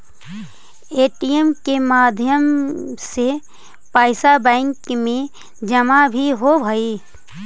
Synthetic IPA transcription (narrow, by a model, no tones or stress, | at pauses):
eːʈijemkemaːd̪ʱjəmse | paːɪsabɛ̃ːŋkmẽ | d͡ʒəmabʱiɦobʱəi